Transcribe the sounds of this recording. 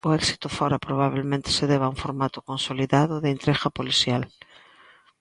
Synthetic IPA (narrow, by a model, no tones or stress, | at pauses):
ʊɛksi̥t̪ʊfɔɾapɾoβ̞aβ̞elmẽnt̪ɪ̥seðɛβauɱfoɾmat̪ʊ̥kõnsoliðaðʊðeːnt̪ɾexapoliθjal